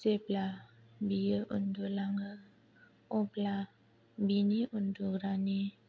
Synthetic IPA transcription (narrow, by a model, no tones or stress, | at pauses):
sepla | bijəʔo̰ndolaŋɡə | õpla | biniʔunduɾani